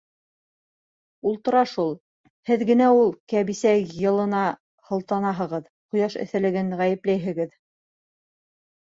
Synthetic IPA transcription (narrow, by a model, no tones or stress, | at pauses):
ulˠt̪ɤ̆ɾɑʃulˠ | hɘðɡɘ̆næulˠkæβisæjjɤ̆lˠɤ̆nɑ | hɤ̆lˠt̪ɑnɑɦɤ̆ʁɤð | qŏjɑʃɘ̰̆θɘ̆lɘ̆ɡɘnʁæjɘ̆plæjɦɘ̆ɡɘð